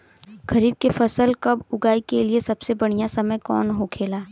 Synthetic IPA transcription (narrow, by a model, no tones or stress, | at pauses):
ɡɐɾiːb̚kefɐsəlkɐbʊɡaːikeliesɐbsebɐɽ̤̃ijasɐməjkɔ̰ːnɦokʰeːlaː